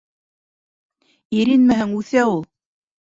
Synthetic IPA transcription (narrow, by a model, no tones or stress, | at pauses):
iɾinmɘhɘŋʉθæulˠ